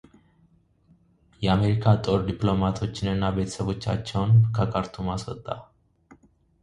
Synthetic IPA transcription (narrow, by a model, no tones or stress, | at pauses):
jɛame̞ɾikʰat̪ʼo̞ɾd̪iplo̞mat̪ʰo̞t͡ʃːɪnɨnːabe̞t̪ʰə̥səβo̞t͡ʃːa̰t͡ʃːɛwnkʰəkʰʼaɾt̪ʰumaswɔt̪ʼːa̰